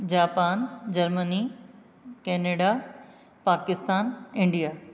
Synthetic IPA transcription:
d͡ʑaːpaːnd͡ʑɐɾməni | kɛːneːɖa | paːkɪst̪aːnɪ̃ɳɖijaː

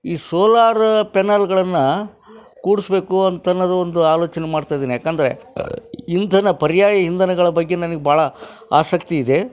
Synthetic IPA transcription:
iːsoːlaːɾpɛnaːlɡɐɭɐnːɐ | kuːɽisbe̞ːkuɐnt̪ɐnːɐd̪ɐond̪uaːlo̞ːt͡ʃɐnemaːɖt̪aːjd̪iːnijaːkaːnd̪ɐɾḛ | int̪ʰɐnɐpɐɾjaːjɐɦind̪ɐnɐɡɐɭɐbɐɡːe̞nɐnɐɡebʱaːɭɐ | a̰ːsɐk̚t̪iːd̪e̞

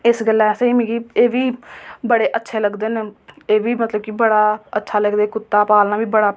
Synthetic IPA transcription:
ɪsɡəlːɛsẽiːmĩːɡieːʋiːbəɽeːʔətːʃʰeːləɡd̪eːneeːʋiːmət̪ləb̚kibəɽaːətːʃʰaːləɡd̪eːkʊt̪ːaːpaːlnãːʋiːbəɽaː

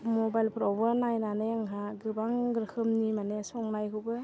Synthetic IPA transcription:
mɔbajlpʰɾɔwbɯnajnaneaŋɦaɡɯbaŋɡɯɾkʰɯmnimanesɔŋnajkʰɯbɯ

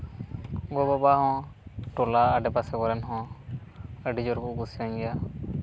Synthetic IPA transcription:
ɡɔbɔbaɦɔ̃ʈɔlaːɖɛpasɛkɔɾɛnɦɔ̃ | əɖid͡ʒɔɾkuʔkusiaɲɡɛja

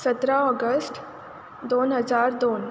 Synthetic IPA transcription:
sət̪ɾaɔɡəsʈ | d̪onɦəd͡zaɾd̪on

